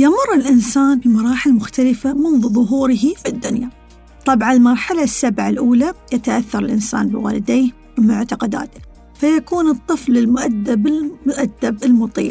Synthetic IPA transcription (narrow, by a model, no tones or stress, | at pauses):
jamʊrˤːɪlʔɪnsaːnbɪmɑɾˤɑːħɪlmʊxt̪alɪfamʊnðuðˤʊɦuːɾɪɦifɪd̪ːʊnja | t̪ˤːɑbʕanlmɑɾˤħalasːabʕalʔuːlajat̪aʔaθːɑɾˤɪlʔɪnsa̰ːnbɪwa̰ːlɪd̪eː | wmʊʕt̪ɑqɑd̪a̰ːt̪ɪ̥ | fajakuːnɨt̪ˤːɨflɪlmʊʔad̪ːabɪmʊʔad̪ːabɪlmʊt̪ˤḭːl